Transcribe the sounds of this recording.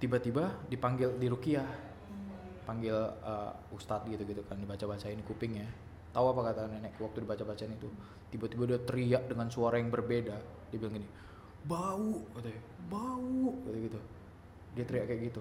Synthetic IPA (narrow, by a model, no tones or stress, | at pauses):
t̪ibat̪ibadipaŋɡɪldiɾukia | paŋɡɪlə̰ | ust̪at̪̚ɡit̪uɡit̪ukandibat͡ʃabat͡ʃaɪnikupɪŋja | t̪auapakat̪aananaʔkwak̚t̪udibat͡ʃabat͡ʃaɪnit̪u | t̪ibat̪ibadiat̪əɾiaʔdəŋansuaɾajaŋbərbeda | dibilaŋɡini | bauʔkat̪u | bauʔɡit̪uɡit̪u | diat̪əɾiaʔkɛʔɡit̪u